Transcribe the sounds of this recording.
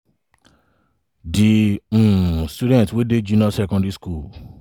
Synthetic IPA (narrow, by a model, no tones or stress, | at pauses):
diũstudɛ̃tweded͡ʒinãsɛkɔ̃ndiskul